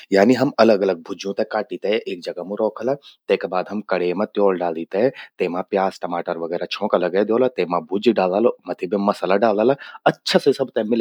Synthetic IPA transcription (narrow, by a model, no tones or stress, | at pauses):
jaːniɦɐmɐləɡɐləɡ̚bʱʊd͡ʒjũt̪ekaːʈiːt̪eʔeːk̚d͡ʒɐɡamũɾɔːkʰəlat̪eːkebaːd̪ɦɐmkɐɽemɐ̃t̪joːlɖaːlit̪et̪eːmãpjaːsʈɐmaːʈəɾʋɐɡɛːɾat͡ʃʰɔ̃ːkalɐɡɛd̪joːlat̪eːmãbʱʊd͡ʒɖaːlalomɐt̪ʰibimɐslaɖaːlaːlaɐtːʃʰasesɐbt̪ɛmɪl